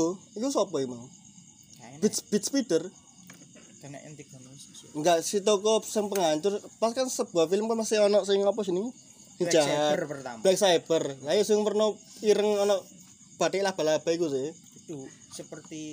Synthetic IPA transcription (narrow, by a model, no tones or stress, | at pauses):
uikusɔpɔimaŋ | b̥̪sb̥it̪̚spit̪ər | d̥n̰nik̚ŋɡaʔsit̪ɔkɔsɪŋpəŋaɲt͡ʃʊrpaskansəb̥uafiləmkanpasɪhɔnɔʔsɪŋɔpɔs̬inɪŋ | sid͡ʒaɦarpərablɛksab̥ərlajusɪŋpərnɔiɾəŋɔnɔʔ | b̥at̪eʔlahb̥a̤lab̥a̤ikuse | səpərt̪i